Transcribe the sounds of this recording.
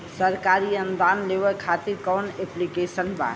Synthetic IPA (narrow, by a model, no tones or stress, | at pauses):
səɾkaɾiənd̪anleʋɛkʰat̪iɾkɔneplikesənba̰